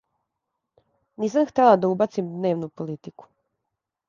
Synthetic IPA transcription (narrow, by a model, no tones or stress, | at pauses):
niːsamxt̪elˠad̪aubat̪simd̪ne̞ːʋnupolit̪iku̥